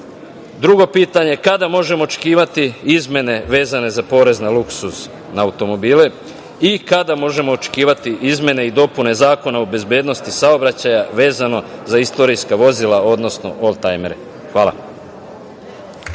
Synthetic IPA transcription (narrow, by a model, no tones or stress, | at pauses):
d̪ɾuɡo̞piːt̪aɲekad̪amo̞ʒe̞mo̞ːt͡ʃe̥kiːʋat̪iizmʲje̞ne̞ʋe̞ːzane̞zapo̞ːɾe̞znaluksus | naaːut̪o̞mo̞biːle | ikad̪amo̞ʒe̞mo̞ːt͡ʃe̥kiːʋat̪iʔizmʲje̞ne̞id̪o̞pune̞zaːko̞naobe̞zbje̞ːd̪no̞st̪isaobɾat͡ɕajaʋe̞ːzano̞zaist̪o̞ɾijskaʋo̞zilˠao̞d̪no̞sno̞̰ʔolˠt̪ajmeɾe | xʋaːla̰